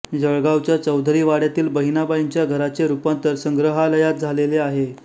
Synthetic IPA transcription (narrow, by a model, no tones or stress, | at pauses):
d͡zəɭɡawt͡ɕjat͡səwd̪ʱɾiːʋaɽjat̪iːlbəɦinabaiɲt͡ɕjaɡʱəɾat͡seɾupant̪əɾsəŋɡɾəɦaləjat̪̚d͡zʱaleleaɦe